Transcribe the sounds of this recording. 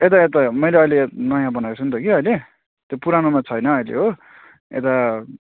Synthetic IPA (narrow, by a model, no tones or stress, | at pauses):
et̪aet̪amʌjleʌjlenʌjãbʌnasʰunt̪ʌkiʌjle | t̪jopuɾanomãt͡sʰʌjnʌʌjlḛɦo | ḛt̪a